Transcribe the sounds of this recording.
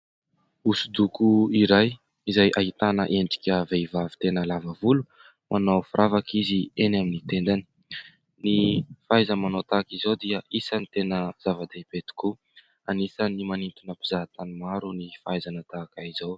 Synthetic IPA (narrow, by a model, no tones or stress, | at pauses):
usud̪ukuiɾaj | izajʔaɦit̪anə̰ʔeɳɖ͡ʐi̥kʲəvejvavi̥t̪enəlavavulu | mʔanowfurʔavakizienaminit̪end̪ani̥ | nifajzəmanot̪akizowd̪iəʔisənit̪enəz̥avad̪apet̪i̥ku | anisanimanint̪unəpizaɦat̪animaɾunifajzanət̪aːkaizaw